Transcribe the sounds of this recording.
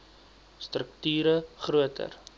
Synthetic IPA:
strəktyːɾəχruətʰə̰r

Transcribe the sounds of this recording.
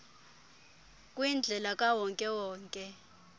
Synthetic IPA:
kʼwind͡ɮʱɛlakʼawɔŋkʼɛwɔːŋkʼɛ

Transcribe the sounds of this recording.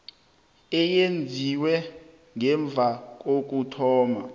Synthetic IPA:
ɛjend͡zʱiwɛ | ŋɛɱb̪vʱak̬ok̬ʼutʰɔːma

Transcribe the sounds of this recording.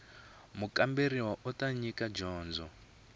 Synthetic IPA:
mukʼambeɾiwaʔutaɲikad͡ʒɔːnd͡zɔ

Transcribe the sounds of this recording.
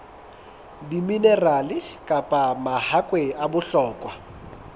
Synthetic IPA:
dimineralɪkʼapʼamahakʼweabʊɬɔːkʼwa

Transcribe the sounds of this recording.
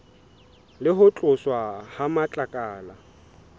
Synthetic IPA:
lɪɦʊt͡ɬʼʊswahamat͡ɬʼakʼaːla

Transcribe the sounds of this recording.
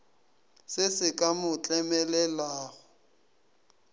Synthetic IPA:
sɪsɪkʼamʊt͡ɬʼɛmɛlɛlaːɣʊ

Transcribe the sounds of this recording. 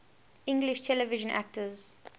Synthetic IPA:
ɪ̃ŋɡlɪʃtʰɛləvɪʒə̃nʔæ̰k̚təz

